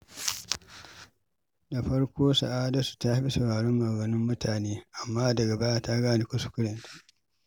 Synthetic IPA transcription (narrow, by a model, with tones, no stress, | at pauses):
da˨ɸɐ˦ɽkʷoː˦sa̰˨ʔaː˦da˦su̥˨ta˦a˦ɸi˦sɐ˨ɽaː˨ɽɔ˦mːa˨ɡɐ˨nɪ˦mːʊ˦tʰaː˨neː˦ʔa˨mːaː˦dɐ˨ɡa˨ba˦jaː˦ta˦ɡaː˦ni˨kʷʊ˦su̥˨kʊ˦ɽɛ˨ntḁ˨ʔ